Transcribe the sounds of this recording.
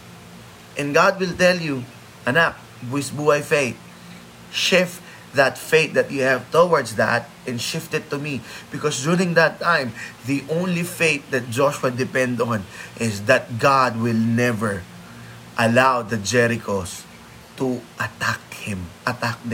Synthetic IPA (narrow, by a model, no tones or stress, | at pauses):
ʔɛ̃nɡɑd̪̚wɪlt̪ɛlju | ʔɐnap̚ | wɪsbuajfeɪt̪̚ | ʃɪft | ðat̪feɪt̪̚d̪ɐt̪̚juhævt̪owaɹdsðæ̰t̪̚ʔɛ̃nʃɪft̪ɨdt̚t̪ːumib̥ɪkɔsduɹɪ̃ŋd̪ət̪ːãɪ̃mðiʔõʊ̃nlifeɪt̪̚d̪ɐt̪̚d͡ʒɔʃwad̪ɪpɛ̃nd̪ɔ̃nʔɪsðɐt̪̚ɡɑd̪̚wɪlˠnɛvəɹ | ʔɐlawðɐd͡ʒɛɾɪkʰos | t̪uʔɐt̪akhɪ̃mʔɐt̪ak̚d̪ɛ̃